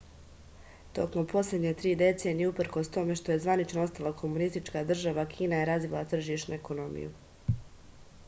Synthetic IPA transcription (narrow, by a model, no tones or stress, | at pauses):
t̪o̞̰kmo̞mpʰo̞slʲe̞d̪ɲet̪ɾiːd̪et̪se̞nijeupr̩ko̞st̪o̞me̞ʃt̪o̞je̞zʋanit͡ʃnoo̞st̪alˠakʰo̞munist̪it͡ʃkad̪r̩ʒaʋakʰiːnaje̞ɾazʋilˠat̪r̩ʒiʃt̪nueko̞no̞mḭjṵ